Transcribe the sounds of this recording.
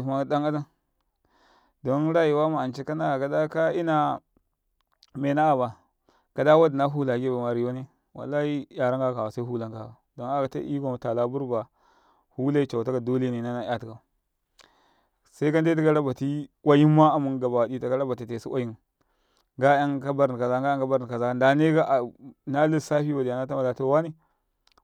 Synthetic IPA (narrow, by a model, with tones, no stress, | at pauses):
ma˦˨da˦ŋa˦da˦n | do˦nɾa˦ji˨wa˦ma˨a˨nt͡ʃi˦ka˦na˦a˨ka˨da˦ka˦i˦na˨ | me˨na˦a˨ba˨ | ka˨da˦wa˦di˨na˦ɦu˦la˨ɡe˦ba˨ma˨ɾi˨jo˦ni˦ | wa̰˨lːa˦i˦ja˨ɾa˦ŋɡa˦ka˨wa˨sa˦i˦ɦu˦la˦ŋka˨wa˨do˦na˦ka˨ta̰˦ʔḭ˦ɡa˨ta˨la˦bu˦ɾba˨ | hu˦la˦i˦t͡ʃa˨ta˦ka˨do˦le˦ne˨na˦na˦ja˦ti˨ka˨ | sa˦i˦ka˦nde˦t̬a˦ka˦ɾa˦ba˨ti˦a˦ji˦nma˦a˨mu˦nɡa˨ba˨wdi˦ta˨ka˦ɾa˦ba˨ti˨te˨si˦wʷʔa̰˦ji˦n | ɡa˦ja˦ŋka˦ba˦ɾka˨za˦ɡa˦a˦ŋka˦ba˦ɾka˨za˦˨nda˨ne˦ɡa˦ʔa˨na˦li˦˨sa˦fi˦wa˨di˨ja˨na˦ta˦ma˨la˨to˦˨wa˦ni˦